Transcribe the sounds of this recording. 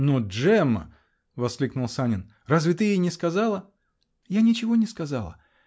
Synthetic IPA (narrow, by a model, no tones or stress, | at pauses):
noʐɛmə̰ | vɐsklʲiknʊlˠsanʲɪn | razvʲɪt̪ɨjejnʲɪskɐzalˠə | janʲɪt͡ɕɪvo̞nʲɪskɐzalˠə